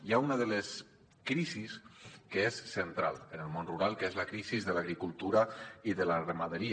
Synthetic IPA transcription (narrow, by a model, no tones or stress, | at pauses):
jaunəðələs | kɾiziskəesːənt̪ɾa̰lˠənəlˠmonruɾalˠkezləkɾizizðəlaɣ̞ɾikulˠt̪uɾəiðələrəməðəɾi